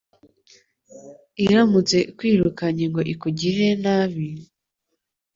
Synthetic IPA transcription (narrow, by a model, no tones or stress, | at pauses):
iɾamut͡se̞kwiːɾukaɲeŋɡo̞ʔikuɟiɦe̞naβi